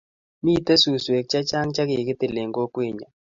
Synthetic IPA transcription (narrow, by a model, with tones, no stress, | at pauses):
mi˦˨t̪a˦su˨swe˨k̚t͡ʃa˦t͡ʃa˦ŋt͡ʃa˦kɪ˨kɪ˦t̪ɪ˨le˨ŋɡo˦kwe˦˨ɲa˨